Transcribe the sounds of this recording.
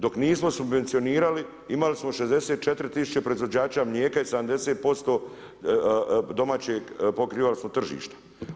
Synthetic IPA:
d̪o̞kniːsmo̞subʋe̞nt̪sijoniːɾali | imalismo̞ʃezd̪e̞set̪̚t͡ʃet̪ɾit̪isu̥t͡ɕe̞pɾo̞izʋod͡ʑaːt͡ɕamʎeːkaised̪amd̪e̞seːt̪̚po̞st̪o̞ː | d̪o̞maːt͡ɕeɡpokɾiːʋalismot̪r̩ʒḭːʃt̪ḁ

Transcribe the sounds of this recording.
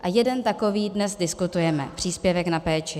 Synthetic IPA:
ʔajɛdɛnt̪ako̞viːdnɛzdɪskut̪ujɛmɛ̰pr̥iːspjɛvɛknapɛːt͡ʃɪ

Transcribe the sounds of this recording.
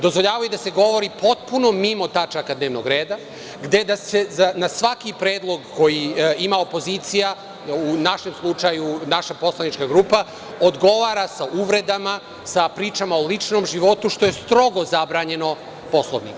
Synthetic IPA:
d̪o̞zʋo̞ʎaːʋajud̪aseɡo̞ʋo̞ɾipo̞t̪puno̞mimo̞t̪at͡ʃakad̪neːʋnoɡɾeːd̪a | ɡd̪e̞d̪ase̞zanasʋakipɾeːd̪lˠo̞ɡko̞jiimao̞po̞ziːt̪sija | unaʃemslˠut͡ʃajunaʃapo̞slˠanit͡ʃkaɡɾuːpa | od̪ɡo̞ʋaːɾasauʋɾe̞d̪ama | sapɾiːt͡ʃamaolit͡ʃno̞mʒiʋo̞t̪uʃt̪o̞jest̪ɾo̞ɡo̞zabɾaːɲe̞no̞ | po̞slˠo̰ʋnḭk

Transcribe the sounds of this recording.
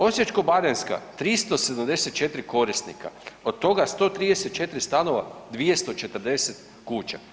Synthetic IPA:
o̞sje̞t͡ʃkobaɾenska̰t̪ɾist̪o̞sed̪amd̪eset̪̚t͡ʃe̞t̪ɾiko̞ɾist̪nika̰o̞d̪̚t̪ːo̞ɡast̪o̞ːt̪ɾiːd̪ese̞t̪̚t͡ʃe̞t̪ɾist̪ano̞ʋad̪ʋijest̪o̞t͡ʃe̞t̪əɾd̪e̞set̪ | kuːt͡ʃa

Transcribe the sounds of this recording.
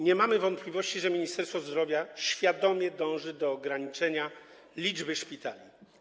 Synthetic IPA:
ɲɛmamɘvɔnt̪̚plʲivɔɕt͡ɕiʐɛmʲiɲist̪ɛɾsfɔzd̪ɾɔvʲjaɕfʲjad̪ɔmʲjɛd̪ɔ̃w̃ʐɘd̪ɔːɡɾaɲit͡ʂɛɲa | lʲid͡ʐbɘʂpʲit̪alʲi

